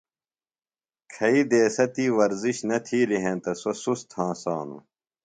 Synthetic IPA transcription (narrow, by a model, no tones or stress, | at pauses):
kʰɐiːd̪eːsɐt̪iːʋɐɾziɕnɐt̪ʰiːliɦẽnt̪ɐsosust̪ʰãːsaːnṵ